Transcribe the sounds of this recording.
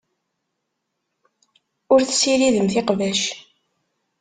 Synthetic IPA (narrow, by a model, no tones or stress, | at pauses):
ʊɾθə̥siɾiðəmθɪqvæʃ